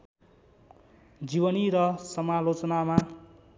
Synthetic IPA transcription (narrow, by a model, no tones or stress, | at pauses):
d͡zibʌniɾʌsʌmalot͡sʌnama